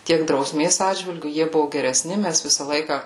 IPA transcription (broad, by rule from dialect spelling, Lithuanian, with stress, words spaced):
ˈtʲiɛk drɐʊˈsʲmʲeːs ˈɑːdʲʒʲʋʲɪlʲɡʲʊ ˈjiɛ ˈbʊʋʊ ɡʲɛrʲɛˈsʲnʲɪ ˈmʲæs ˈʋʲɪsɐ ˈlˠɐɪkɐ